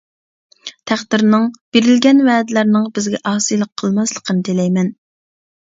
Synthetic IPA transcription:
t̪ʰæχd̪ɪɾnɨŋb̥eɾɪlɡʲɛnvɛːd̪ɪlæɾnɪŋbɪzɡʲɛʔɑːsɨjlˠəqʰːəlˠmɑslˠəqʰənɨt̪ʰelɛjmɛn

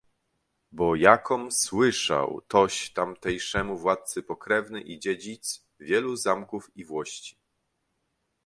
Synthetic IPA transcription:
bɔjakʰɔmswɘʂa̰wt̪ɔɕt̪amt̪ɛjʂɛmuvwat̪̚sɘpɔkɾɛvnɘʔid͡ʑed͡ʑit̪s | vʲjɛluzamkufivwɔɕt͡ɕi̥

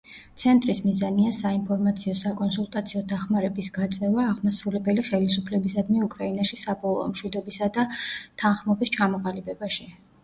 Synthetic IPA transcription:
t̪sʰɛnt̪ʼɾismizaniasainpʰɔɾmat̪sʰiɔsakʼɔnsulˠt̪ʼat̪sʰiɔd̪aχmaɾɛbisɡat̪sʼɛvaːʁmasɾulɛbɛliχɛlisupʰlɛbis̬ad̪miukʼɾainaʃisapʼɔlˠɔ̰mʃwid̪ɔbisad̪at̪ʰanχmɔbist͡ʃʰamɔqʼalibɛbaʃi

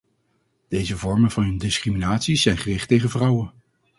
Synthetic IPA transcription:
d̥ejzəvɔɹmənvɑnɦɵndɪskriminaːtsiz̥ɛjnχərɪχtejχənvrʌwən

